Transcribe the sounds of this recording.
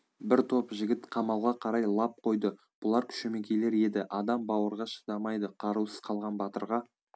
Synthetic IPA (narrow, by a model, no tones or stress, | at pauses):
bɪɾt̪ʰo̞pʒɪɡʲɪt̪qʰɑmɑlˠʁɑqʰɑɾɑjlˠɑp̚qʰo̞jd̪ə | b̥ʊlˠɑɾkʲʰʏ̥ʃeme̞kʲʰele̞ɾe̞d̪ɪʔɑd̪ɑmbɑwəɾʁɑʃə̥d̪ɑmɑjd̪əqʰɑɾusə̥z̥qʰɑlˠʁɑnbɑt̪əɾʁɑ